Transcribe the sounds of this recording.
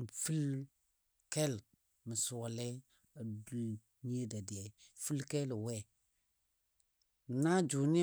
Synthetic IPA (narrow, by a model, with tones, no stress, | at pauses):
fi˦l | kɛ˦l | mə˨su˨wa˨lɛ˦ | a˨du˦l | ɲi˦e˦da˨di˨a˨fu˦lkɛ˦lwɛ˦˨ | na˦d͡ʒu˨ni˦